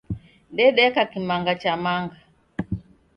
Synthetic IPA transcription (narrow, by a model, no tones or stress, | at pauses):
ndɛɗɛkakimaŋɡat͡ʃamaŋɡa